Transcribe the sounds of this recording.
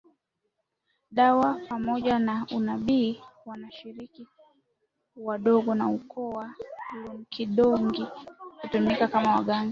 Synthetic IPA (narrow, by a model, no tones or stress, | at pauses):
ɗawapamɔʄanaunaɓiːwanaʃiɾiki | waɗɔɡɔnaukʰɔwahujɔm̩kʰiɗɔŋɡikutumikakamawa̰ɠaŋɡa